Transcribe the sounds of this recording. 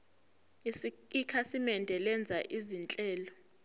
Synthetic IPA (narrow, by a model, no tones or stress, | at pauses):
isikʼikʰasimɛndʱɛlɛnd͡zʱaʔizint͡ɬʼɛːlɔ